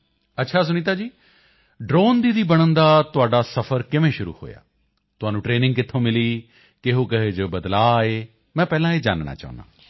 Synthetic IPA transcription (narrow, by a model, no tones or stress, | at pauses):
ətːʃʰaːs̬ʊñiːt̪̬aːd͡ʒiː | ɖɾoːnd̪iːd̪iːbəɽ̃ənd̪aːt̪ʊaːɖaːsəpʰəɾkɪʋẽːʃʊɾṵːho̰ːja̰ː | t̪ʊaːnũːʈɾeːnɪ̃ŋɡkɪt̪ʰːõːmɪliː | keɦoːkəɦeːd͡ʒoːbəd̪laːeː | mɛ̃ːpɛːlãːeːd͡ʒa̰ːnna̰ːt͡ʃa̰ːʊ̰̃na̰ː